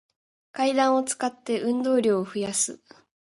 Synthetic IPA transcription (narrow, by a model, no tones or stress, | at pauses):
kaid̪ãɰ̃o̞t͡sɨ̥kat̪ːe̞ʔɯ̟̃nd̪o̞ːɾʲo̞ːoɸɯ̟jasɨ̰